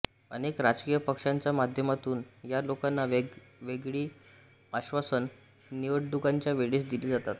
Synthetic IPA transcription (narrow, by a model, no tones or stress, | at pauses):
ənekɾad͡ʑkijəpəkʂaɲt͡ɕjamad̪ʱjəmat̪uːnjalokanːaʋeɡɭiː | aɕʋasənː | iʋəɽɖuɡaɲt͡ɕjaʋeɭiːsd̪iliːd͡zat̪at̪